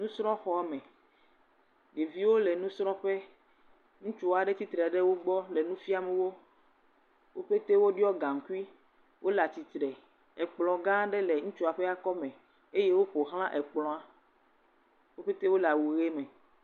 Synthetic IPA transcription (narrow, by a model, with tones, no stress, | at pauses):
nũ˦sɾɔ̃˦xɔ˦a˦mẽ˨ | ɖe˨vi˦wo˦le˨nũ˦sɾɔ̃˦ɸe˦ | ŋũ˦t͡ʃu˦˨a˨ɖe˦t̪i˦t̪ɾɛ˨ɖe˦wo˦ɡ͡bɔ˦le˨nũ˦fi˦a˨me˨wo˦ | wo˦ɸe˦t̪e˦wo˦ɖi˦ɔ˦ɡã˨ŋ˨ku˦i˦ | wʔo˦la˨t̪i˨t̪ɾɛ˨ | ɛ˨k͡plɔ̃˨ɡã˦ɖe˦le˨ŋũ˦t͡ʃu˦a˨ɸe˦a˦kɔ˦mẽ˨ | e˦je˦wo˦ɸo˨ɦl̃ã˦ʔɛ˨k͡plɔ̃˨a˨ | wo˦ɸe˦t̪e˦wo˦la˨wu˨ɣe˦me˨